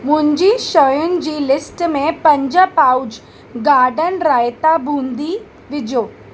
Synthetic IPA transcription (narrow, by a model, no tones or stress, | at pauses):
mʊ̃ɦɪ̃ɲd͡ʑiʃəjʊnɪ̆d͡ʑiːlɪsʈmẽpɐ̃ɲd͡ʑəpaːud͡ʑ | ɡaːɾɖənɾaːjt̪abʱũːnd̪i | ʋɪd͡ʑoː